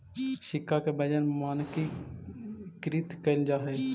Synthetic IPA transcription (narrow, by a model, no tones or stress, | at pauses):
ʃɪkaːkeːbəd͡ʒənmaːnki | kɪɾiːt̪kəjnd͡ʒaːɦeː